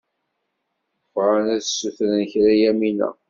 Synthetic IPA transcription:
fɾˤɑnæðsːuθɾənəçɾæjæminæ̰

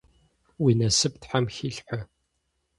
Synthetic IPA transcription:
winɐsɨp̚tħamxiːɬħʷə

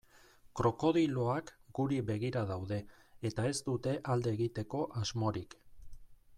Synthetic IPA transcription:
kɾo̞ko̞ðilo̞akɡuɾiβe̞ɣ̞iɾaðawðe̞ː | t̪ae̞zt̪ut̪e̞ʔald̪e̞ːɣit̪e̞ko̞ʔazmo̞ɾik

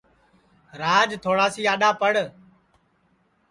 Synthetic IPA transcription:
ɾaːd͡ʒt̪ʰoːɽaːsiːaːɗaːpəɽ

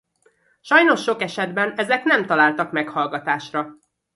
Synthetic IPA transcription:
ʃɒjno̞ʃːo̞kɛʃɛd̪bɛnɛzɛknɛmt̪ɒlaːlt̪ɒkmɛkhɒlɡɒt̪aːʃrɒ

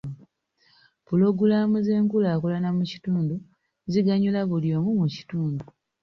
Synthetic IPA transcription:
puloɡulamuze̞ːŋkulaːkolanamuci̥tuːndu | ziɡaɲulaβuljo̞ːmumuci̥tuːndu

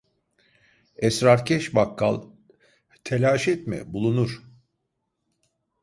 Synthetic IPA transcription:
ɛsɾaɾcʰɛʃbakːa̰lˠ | t̪ʰelʲaːʃɛt̪mɛ̰bulˠunuɾ̥

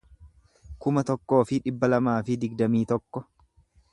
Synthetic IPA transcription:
kʊmɐt̪ɔkːo̞ːfɪᶑɪbːɐlɐmaːfɪd̪ɪɡd̪ɐmiːt̪ɔkːɔ

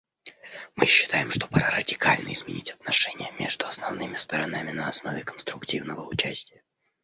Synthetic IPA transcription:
mɨɕːɪ̥t̪ajɪmʂt̪o̞pɐɾarədʲɪkalʲnəɪzmʲɪ̰nʲitʲɐt̪nɐʂɛnʲɪjəmʲeʐd̪ʊɐsnɐvnɨmʲɪst̪əɾɐnamʲɪnəɐsno̞vʲɪkənst̪ɾʊktʲivnəvəʊt͡ɕæsʲtʲɪjə

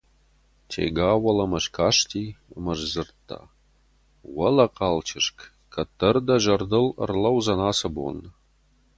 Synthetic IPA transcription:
tʰḛɡaːwɐlɐmɐʃkʰaʂtʰiːɐmɐʒzɨrt̪ʰːa̰ | wɐlɐqʰɑlt͡ʃʰɪʂkʰ | kʰɐt̪ʰːɐrd̪ɐʒɐrd̪ɨlə̰rlɐwzɐnaːsɐbo̰n

